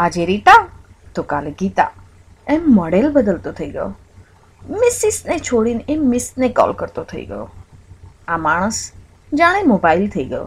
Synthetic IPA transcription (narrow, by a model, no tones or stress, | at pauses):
ad͡ʒeɾiʈa | t̪okaleɡit̪a̰ | ɛmːɔɖelbəd̪əlt̪ot̪ʰəiɡəjo̰ | mɪsɪsnet͡ʃʰoɽinemɪsnekɔ̰lkəɾt̪ot̪ʰəḭɡə̰jo̰ | amaːɽ̃əs | d͡ʒaɽ̃emobailt̪ʰəiɡəjo̰